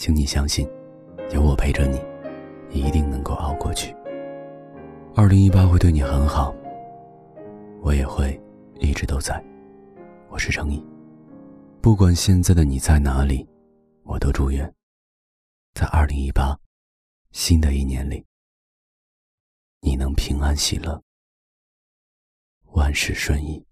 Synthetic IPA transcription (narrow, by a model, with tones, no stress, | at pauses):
t͡ɕʰi˧˥ŋni˨˩ɕjɑ˥ŋɕi˥˩n | jo˧˥ʊwɔ˨˩pʰe˥ɪʈ͡ʂə˧ni˨˩˦ | njɛ˨˩i˧˥t̪i˥˧ŋnɤ˧˥ŋko˥˧ʊʔɑ̰˥˧ʊkwɔ̰˥˧t͡ɕʰy˥˩ | ɐ˥˩li˧˥ŋi˥pa˥xwe˥˧ɪt̪we˥˩ni˨˩xə˧˥nxɑ˨˩˦ʊ | wɔ˧˥jɛ˨˩xwe˥˧ɪ | li˥˩ʈ͡ʂɻ̩˧˥t̪o˥ʊt͡sa˥˩ɪ | wɔ˨˩ʂɻ̩˥˩ʈ͡ʂʰɤ˧˥ŋi˨˩˦ | pu˥˩kwa˨˩nɕjɛ˥˧nt͡sa˥˩ɪd̪ə˩ni˨˩t͡sa˥˩ɪna˧˥li˨˩˦ | wɔ˨˩t̪o˥ʊʈ͡ʂu˥˧ɥɛ˥˩n | t͡sa˥˧ɪʔɐ˞˥˩li˧˥ŋi˥pa˥ | ɕi˥nd̪ə˨i˥˩njɛ˧˥nli˨˩˦ | ni˨˩nɤ˧˥ŋpʰi˧˥ŋa˥nɕḭ˨˩lə˥˦ | wa˥nʂɻ̩˥˩ʂwə˥˧ni˥˩